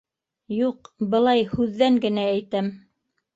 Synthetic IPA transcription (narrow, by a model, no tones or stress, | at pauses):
juqbɤ̆lˠɑjhʉðːæŋɡɘ̆næːjt̪æm